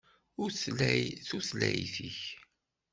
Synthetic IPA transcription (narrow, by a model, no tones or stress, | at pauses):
ʊɾθlæjθuθlæjθiç